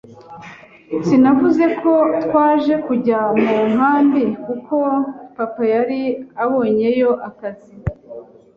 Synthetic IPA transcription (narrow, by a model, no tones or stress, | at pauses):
sinavuze̞kʰo̞twaːʒe̞kuɟamuŋɦaːmbikuko̞papajaɾiaβo̞ːɲe̞jo̞ʔakazi